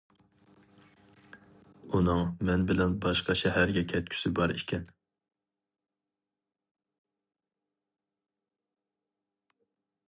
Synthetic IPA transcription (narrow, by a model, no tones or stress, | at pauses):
unɨŋmɛnbɪlɛnbɑʃqɑʃɛɦæɾɡʲɛkʲʰɛt̪̚kʲʰy̥sɪbɑɾiʃkʲʰɛn